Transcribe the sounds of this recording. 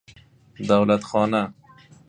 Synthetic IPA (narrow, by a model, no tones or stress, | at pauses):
d̪awlat̪xɑːna